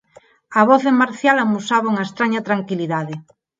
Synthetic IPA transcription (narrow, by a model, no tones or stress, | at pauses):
aβɔθðemaɾθjalamusaβauŋaest̪ɾaɲat̪ɾaŋkiliðaðe